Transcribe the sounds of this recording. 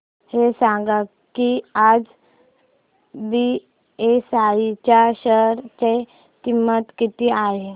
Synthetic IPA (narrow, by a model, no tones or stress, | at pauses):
hesãɡa | kiaːd͡ʒ | bi | esait͡ʃaʃəɾt͡ʃe | kimːət̪kit̪iaːɦe